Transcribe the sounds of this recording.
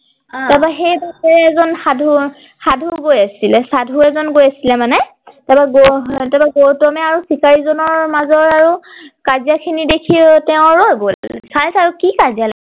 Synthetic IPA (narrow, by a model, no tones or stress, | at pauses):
tɛbaxejdakɛɹɛɛzɔnxadʱu | xadʱuɡojasilɛsadʱuɛzɔnɡojasilɛmanɛ | tɛbaɡotɛbaɡowtɔmɛaɹusikaɹizɔnɔɹmazɔɹaɹukazijakʰinidekʰitɛʊ̃ɹɔɡolsaɹsaɹukikazijala